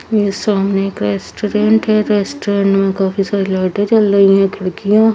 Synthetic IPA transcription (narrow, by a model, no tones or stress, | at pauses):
jesaːmneeːkɾeːsʈoɾẽːɳʈɦɛɾeːsʈːɾẽːɳʈmẽkaːfisaːɾilaːʈɛt͡ʃɐlɾɐɦĩɦɛ̃kʰɐɽkijã